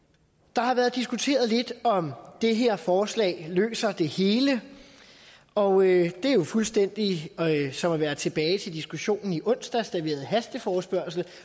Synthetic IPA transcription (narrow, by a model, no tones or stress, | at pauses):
d̥ɑ̈hɑ̈ʋæːɐð̞̩ˠd̥isɡ̥ut͡sʰe̝̰ːɐð̞ˠle̝d̥ɒ̽md̥e̝ɦeɐ̰fɒːslɛ̰ːlø̰ːsɐd̥e̝he̝ːlə | ɒ̽ød̥e̝æjo̝fulsd̥en̰d̥isɒ̽mæʋæːɐt͡sʰe̝b̥ɛːɪt͡sʰe̝ld̥isɡ̥uɕo̝̰ːnn̩iʔɔ̽n̰sd̥æsd̥æe̝̰ːɐð̩ˠɦæsd̥əfɒːsb̥ɶɐ̰sl̩